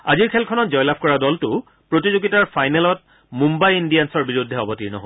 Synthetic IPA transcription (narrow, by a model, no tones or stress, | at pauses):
aziɹkʰɛlkʰɔnɔtzɔjlab̚ʱkɔɹadɔltʊ | pɹotizuɡitaɹpʰajnɛlɔt̚ | mumbajindijansɔɹbiɹudʱːɛɔbɔtiɹnɔ̰ɦo